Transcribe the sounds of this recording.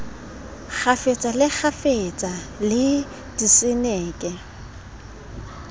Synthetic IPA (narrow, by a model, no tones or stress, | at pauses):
k͡xʰafet͡sʼalɪk͡xʰafet͡sʼa | lɪ | d̥isɪnɛːkʼɛ